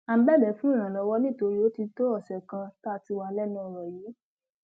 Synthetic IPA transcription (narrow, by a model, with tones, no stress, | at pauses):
ã˨˧˦bɛ˦˨lɛ˨˦fũ˦ĩ˦˨ɾ̃ã˨lɔ˨˧˦wɔ˦nĩ˦˨to˧ɾi˦o˨˦ti˧to˦ɔ˦˨sɛ˨kã˧ta˦˧ti˧wa˧˦lɛ˦nĩ˦ɔ˧˨ɾɔ˨jeː˨˦